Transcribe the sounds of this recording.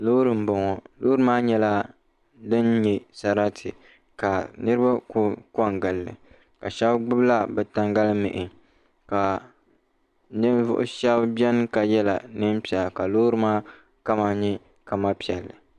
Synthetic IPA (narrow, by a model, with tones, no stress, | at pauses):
loː˦ɾɨ˨m̩˦bɔ˨ŋɔ˨loː˦ɾɨ˦maː˦ɲɛ˦la˦ | dɨ˦nɲɛ˨sa˨ɾa˦tʰɨ˨ | ka˨nɨ˦ɾɨ˦ba˦kʊ˦kɔ˦˨ŋɡɨ˨lːɨ̰˨ | ka˨ʃɛ˦bɡ͡bʊ˦bla˦bɛ˨ta˦ŋɡa˦lmɪ̰˨ʔɪ˨ | ka˨ | nɨ˦vʊ̰˦ʔʊ̰˦ʃɛ˦bbɛ˦n˦ka˨jɛ˦la̰˨nɨ˦m˦pi˨ɛ˨lka˨loː˦ɾɨ˦maː˦ | ka˦ma˦ɲɛ˦ | ka˨ma˦pi˨ɛ˨lːɨ˨